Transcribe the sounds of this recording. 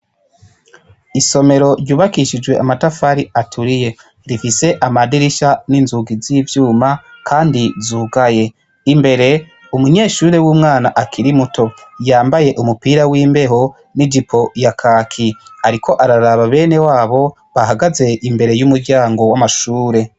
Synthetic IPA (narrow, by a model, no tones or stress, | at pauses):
iso̞me̞ɾo̞ɾjuːβakiʃid͡ʒwe̞ʔamatafaɾiatʰuɾije̞ | ɾifise̞ʔamadiɾiʃaninzuɡiziːvjuːmakʰaːndizuːɡaje̞ | imbe̞ɾe̞ | umuɲe̞ːʃuːɾe̞wuːmŋaːnaʔakʰiɾimutʰo̞jaːmbaje̞ʔumupiɾawiːmbe̞ɦo̞ | nidipʰo̞jakʰaːkʰiaɾikʰo̞ʔaɾaɾaβaβe̞ːne̞waːβo̞ | βaɦaɡaze̞ʔimbe̞ɾe̞jumuɾɟaːŋɡo̞wamaʃuːɾe̞